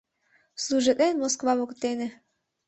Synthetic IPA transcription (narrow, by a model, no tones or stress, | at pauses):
sluʒit̪enmoskvaβokt̪ene